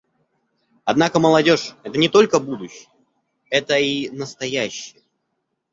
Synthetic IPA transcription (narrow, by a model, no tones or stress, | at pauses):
ɐd̪nakəməlˠɐdʲo̞ʂɛt̪ənʲɪt̪o̞lʲkəbud̪ʊɕːɪjə | ɛt̪əinəst̪ɐjæɕːɪjə